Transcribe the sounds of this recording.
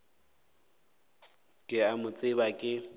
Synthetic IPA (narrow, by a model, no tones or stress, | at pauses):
kʼɪamʊt͡sʼɪbakʼɪ